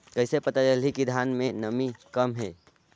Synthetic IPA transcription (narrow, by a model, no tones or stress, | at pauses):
kəjsepət̪əɾəlikid̪ʱanmenəmikəmɦe